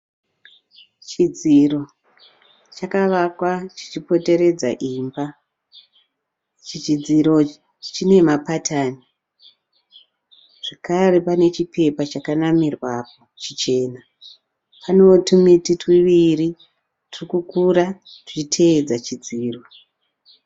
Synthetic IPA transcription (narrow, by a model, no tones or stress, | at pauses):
t͡ʃid͡ziro̞ | t͡ʃakaʋakwat͡ʃi̥t͡ʃipo̞te̞ɾe̞d͡zaʔiːmba | t͡ʃit͡ʃid͡ziɾo̞ | t͡ʃine̞mapatʰaːni | ʐ̥ekare̞pane̞t͡ʃipʰe̞pat͡ʃakanamirwapo̞t͡ʃit͡ʃe̞ːna | pano̞tumititwiʋiri | tirikukuɾati̥t͡ʃitʰeːd͡zat͡ʃid͡ziːrwo